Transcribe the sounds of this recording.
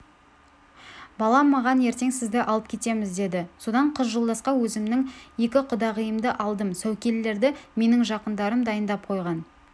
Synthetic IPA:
bɑlˠɑmɑʁɑnje̞ɾt̪e̞ŋsɪzd̪ɪʔɑlˠəp̚kʲʰe̞t̪e̞mɪzd̪e̞d̪ɪso̞d̪ɑɴqʰəzʒolˠd̪ɑsqɑwɵzɪmnɪŋje̞kʲɪqʰʊd̪ɑʁəjəmd̪əʔɑlˠd̪əmsæwkʲe̞lːe̞ɾd̪ɪme̞nɪŋʒɑqənd̪ɑɾəmd̪ɑjənd̪ɑp̚qʰo̞jʁɑn

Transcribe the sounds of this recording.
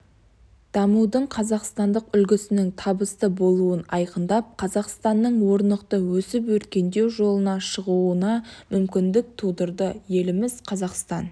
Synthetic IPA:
d̪̥ɑmuwd̪əɴqʰɑzɑqst̪ɑnd̪əqʏlɡʲɪsɪnɪŋt̪ʰɑbəst̪əbo̞lˠuənɑjqənd̪ɑp̚qʰɑzɑqst̪ɑnːəɴwo̞ɾnəqt̪əwɵsɪp̬wɵt̪kʲe̞nd̪e̞wʒo̞lˠənɑʃəʁuənɑmʏmkʲɪnd̪ɪk̚t̪ʰud̪əɾd̪əje̞lɪmɪz̥qʰɑzɑqst̪ɑn

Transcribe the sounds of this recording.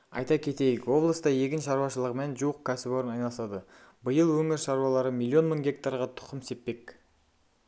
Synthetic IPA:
ɑ̰jt̪ɑkʲʰe̞t̪e̞jɪkwo̞blˠəst̪ɑje̞kʲɪnʃɑɾuwɑʃəlˠəʁmnʒuwəq̚kʲʰæsɪboɾənɑjnɑlˠəsɑd̪ə | bəjəlˠwɵŋɪɾʃɑɾwɑlˠɑɾəmʲilʲˠːio̞nməŋɡʲe̞k̚t̪aɾʁɑt̪ʰʊ̥qʰəmse̞p̪pːe̞k

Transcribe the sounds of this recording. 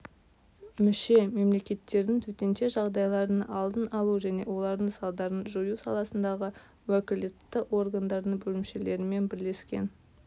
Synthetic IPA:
mʏʃe̞me̞mle̞kʲe̞t̪ːe̞ɾd̪ɪŋt̪ʰɵt̪e̞nʃe̞ʒɑʁd̪ɑjlˠɑɾənɑɑlˠd̪ənɑlˠuʒæne̞wo̞lˠɑɾd̪əɴsɑlˠd̪ɑɾənʒojusɑlˠɑsənd̪ɑʁə | wækʲɪld̪ɪt̪ːɪʔo̞rɡand̪ɑɾd̪əŋbɵlɪmʃe̞le̞ɾɪme̞nbɪɾle̞skʲe̞̰n

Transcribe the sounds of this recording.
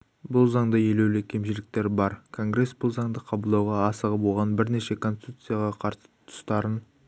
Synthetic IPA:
bʊlˠzɑɴd̪əje̞le̞wlɪkʲʰe̞mʃɪlɪk̚t̪e̞ɾbɑɾkʰo̞ŋɡɾe̞sbʊlˠzɑɴd̪əqʰɑbəlˠd̪ɑwʁɑːsəʁəbo̞lˠʁɑnbɪɾne̞ʃe̞kʰo̞nsi̥t̪ut̪sɨjaʁɑqʰɑɾsə̥t̪ʰʊ̥st̪ɑɾən

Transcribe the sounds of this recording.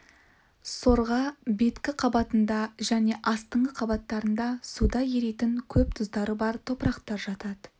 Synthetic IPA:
so̞ɾʁɑbe̞t̪kʲɪqʰɑbɑt̪ənd̪ɑʒæne̞ʔɑst̪əɴʁəqʰɑbɑt̪ːɑɾənd̪ɑsud̪ɑje̞ɾe̞t̪ɪŋkʲʰɵp̚t̪ʰʊzd̪ɑɾəbɑɾt̪ʰo̞pɾɑqt̪ɑɾʒɑt̪ɑd̪ə

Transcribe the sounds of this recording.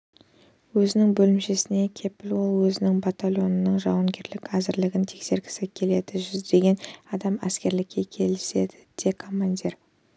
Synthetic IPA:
wɵzɪnɪŋbɵlɪmʃe̞sɪne̞kʲʰe̞pɪlwo̞lˠwɵzɪnɪŋbat̪alʲˠo̞nnəɴʒɑwɑŋɡʲe̞ɾlɪkæzɪɾlɪɡʲɪnt̪ʰe̞kse̞ɾɡʲɪ̥sɪkʲʰe̞le̞d̪ɪʒʏzd̪e̞ɡʲe̞nɑd̪ɑmæskʲe̞ɾlɪkʲʰːe̞kʲʰe̞lɪse̞d̪ɪ̥d̪̥e̞kʰo̞mand̪ʲiɾ

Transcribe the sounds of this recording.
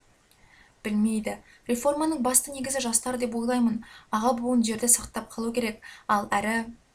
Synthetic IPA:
b̥ɪlme̞jd̪ɪ | ɾʲe̞fo̞rmɑnəɴbɑst̪əne̞ɡʲɪzɪʒɑst̪ɑɾəd̪e̞p̬wo̞jlˠɑjmənɑʁɑbuənʒe̞ɾd̪ɪsɑqt̪ɑp̚qʰɑlˠukʲʰe̞ɾe̞kɑlˠæɾɪ

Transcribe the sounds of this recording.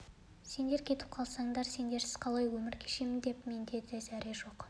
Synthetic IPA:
se̞nd̪e̞ɾkʲʰe̞t̪ɪ̥p̚qʰɑlˠsɑɴd̪ɑɾse̞nd̪e̞ɾsɪz̥qʰɑlˠɑjwɵmɪɾkʲʰeʃemɪnd̪e̞pme̞nd̪e̞d̪ezæɾʔeʒo̞q

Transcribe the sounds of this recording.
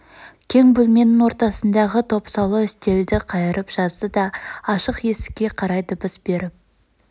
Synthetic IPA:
kʲʰe̞ŋbɵlme̞nːɪŋwo̞ɾt̪ɑsənd̪ɑʁət̪ʰo̞psɑwlˠəɪst̪e̞ld̪ɪqʰɑjəɾəpʒ̥ɑzd̪əd̪ɑːʃəqje̞sɪ̥kʲːe̞qʰɑɾɑjd̪ʊbəsbe̞ɾɪp̚

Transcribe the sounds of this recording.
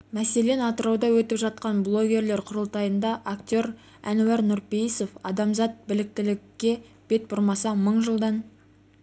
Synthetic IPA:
mæse̞le̞nɑt̪əɾɑwd̪ɑwɵt̪ɪpʒɑt̪̚qɑnblˠo̞ɡʲe̞ɾle̞ɾqʰʊɾəlˠt̪ɑjənd̪ɑʔakt̪ʲo̞ɾ | æ̰nwæɾnʊɾpejiso̞fɑd̪ɑmzɑt̪̚bɪlɪk̚t̪ɪlɪkːe̞ | b̥e̞t̪̚bʊɾmɑsɑməɴʒəlˠd̪ɑn

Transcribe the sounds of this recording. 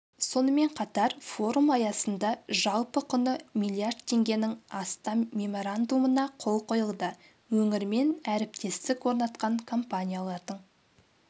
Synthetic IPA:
so̞nəme̞ɴqʰɑt̪ɑɾfo̞ɾumɑjɑsənd̪ɑʒɑlˠpəkʰʊnəmijlʲˠiard̪̚t̪ʰe̞ŋɡʲe̞nɪŋɑst̪ɑmmːʲe̞mo̞ɾand̪umənɑqʰo̞lˠqʰo̞jəlˠd̪ə | wɵŋɪɾme̞næɾɪp̚t̪ʰe̞st̪ɪkwo̞ɾnɑt̪qɑŋkʰo̞mpanʲijalˠɑɾd̪əɴ

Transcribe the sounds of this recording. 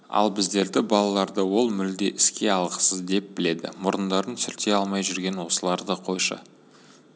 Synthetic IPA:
ɑ̰lˠbɪzd̪e̞ɾd̪ɪbɑlˠɑlˠɑɾd̪əwo̞lˠmʏld̪eʔɪskʲe̞ɑlˠʁə̥səzd̪e̞p̚b̥ɪle̞d̪ɪ̰mʊɾənd̪ɑɾənsʏɾt̪e̞ɑlˠmɑjʒʏɾɡʲe̞nwo̞səlˠɑɾd̪əqʰo̞jʃə̰

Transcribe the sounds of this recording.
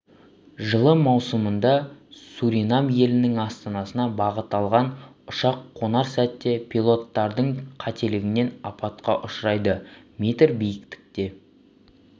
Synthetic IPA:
ʒəlˠəmɑwsəmənd̪ɑsuɾinamje̞lɪnɪŋɑst̪ɑnɑsənɑbɑʁət̪ɑlˠʁɑn | ʊʃɑqʰːo̞nɑɾsæt̪ːe̞pʰʲilˠo̞t̪ːɑɾd̪əɴqʰɑt̪ʰe̞lɪɡʲɪne̞nɑpɑt̪qɑʔʊʃɾɑjd̪əmʲet̪ɪɾbijɪkt̪ɪ̥k̚t̪e̞

